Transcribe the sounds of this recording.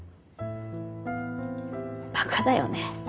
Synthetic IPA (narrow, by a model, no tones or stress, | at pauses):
pakʰad̪ajo̰ne